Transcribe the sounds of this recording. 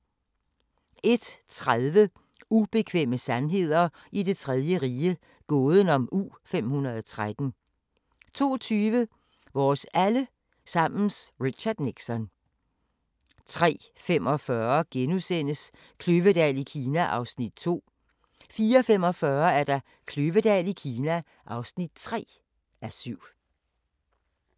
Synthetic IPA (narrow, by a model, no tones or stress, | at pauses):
e̝d̥t͡sʰʁaðˠʋə | ub̥e̝kʰʋeməsænɦe̝ð̞̰ˠɐ | id̥e̝t͡sʰʁɛðˠjəʁiːə | ɡ̥ɔ̽ːðˠən̩ɒ̽mʔṵːfem̰hunɐðˠɒt͡sʰʁad̥n̩ | t͡sʰo̝̰ːt͡sʰyːʋə | ʋɒːsælə | sɑ̈m̰n̩sʁiɕɑd̥neɡ̥sɒ̽n | t͡sʰʁɛ̰ːfem̰ɒ̽fɶɐɡ̥enusen̰əs | kʰløʋəd̥ɛ̰ːlikʰiːnæʔɑ̈ʊsnid̥̚t͡sʰo̝̰ː | fiːɐɒfem̰ɒ̽fɶɐæɐd̥ɑ̈ | kʰløʋəd̥ɛ̰ːlikʰiːnæ | ʔɑ̈ʊsnid̥̚t͡sʰʁɛ̰ː | ʔæɐsyʊ̰